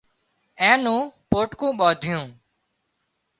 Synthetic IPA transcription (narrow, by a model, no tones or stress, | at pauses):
ɛ̃ːnũːpoːʈkũːɓɔːd̪ʱɪjũː